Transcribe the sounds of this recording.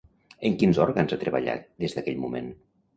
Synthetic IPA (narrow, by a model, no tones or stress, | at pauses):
əŋkinzɔɾɣanzat̪ɾəβa̰ʎa̰t̪̚d̪ezðəkɛʎmumḛn